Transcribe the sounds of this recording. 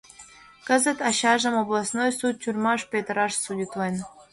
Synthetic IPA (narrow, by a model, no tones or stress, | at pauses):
kə̆zə̆t̪ɑɕɑʒə̆moblˠɑsnojsut̪̚ʲtʲyrʲmɑʂpʲet̪ɾɑʂsudʲit̪lˠɤn